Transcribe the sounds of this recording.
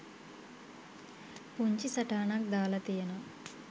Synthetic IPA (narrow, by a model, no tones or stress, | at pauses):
puɲt͡ʃisɐʈaːnak̚d̪aːlɐt̪ijɐnɐ